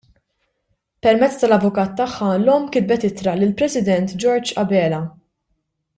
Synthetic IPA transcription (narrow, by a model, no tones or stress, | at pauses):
pɛɾmɛt͡sːt̪ɐlɐvʊkɐːt̪ːɐħːɐlɔːmkɪd̪̚bɛt̪ɪt̪ɾɐlɪlpɾɛsɪd̪ɛnt̪d͡ʒɔɾd͡ʒɐbɛːlɐ